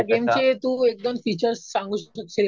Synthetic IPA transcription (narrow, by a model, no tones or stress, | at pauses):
ɡemt͡ɕet̪ũek̚d̪onfit͡ɕəɾsːãŋɡuːɕɕəkɕel